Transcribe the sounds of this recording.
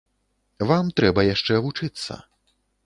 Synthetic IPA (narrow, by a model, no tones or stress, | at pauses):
vamt̪ɾɛbɐjaʂt͡ʂɛvut͡ʂɨt̪sːɐ̰